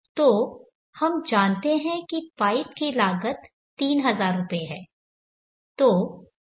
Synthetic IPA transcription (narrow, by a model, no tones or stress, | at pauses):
t̪oː | hɐmd͡ʒaːnt̪eɦɛ̃kipaːɪpkilaːɡət̪ | t̪ːiːnɦɐzaːɾːʊpeɦɛː | t̪oː